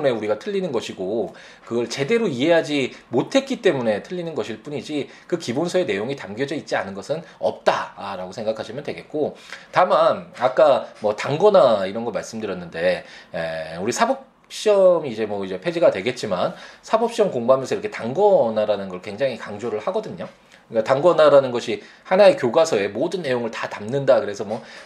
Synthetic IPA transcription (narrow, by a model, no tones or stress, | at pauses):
ne̞uɾiɡatʰɯʎːinɯnɡʌɕʰiɡo | kɯɡʌɭt͡ɕe̞de̞ɾoiɦe̞ɦad͡ʑimotʰe̞t̚k͈it͈e̞mune̞tʰɯʎːinɯnɡʌɕʰiɭp͈uɲid͡ʑi | kɯkibonsʰʌe̞ne̞joŋitamɡjʌd͡ʑʌit̚t͡ɕ͈ia̰nɯnɡʌsʰɯnʌp̚t͈aɾaɡosʰe̞ŋɡakʰaɕʰimjʌndwe̞ɡe̞t̚k͈otamanak͈amʌtaŋɡʌnaiɾʌnɡʌɭmaɭs͈ɯmdɯɾjʌnːɯnde̞euɾisʰabʌp̚ | ɕ͈iʌmiːd͡ʑe̞mwʌid͡ʑe̞pʰe̞d͡ʑiɡadwe̞ɡe̞t̚t͡ɕ͈imansʰabʌp̚ɕ͈iʌmkoŋbamjʌnsʰʌiɾʌkʰe̞taŋɡʌnaɾanɯnɡʌɭkwe̞ŋd͡ʑaŋɦikaŋd͡ʑoɾɯɭhaɡʌdɯɲo | k͈ataŋɡʌnaɾanɯnɡʌɕʰi | hanae̞kjoɡasʰʌe̞modɯnːe̞joŋɯɭtḁtamnɯndakɯɾe̞sʰʌmwʌ